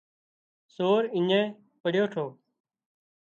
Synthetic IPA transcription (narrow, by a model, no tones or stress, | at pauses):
soːɾɪɲɛ̃ː | pəɽjoːʈʰoː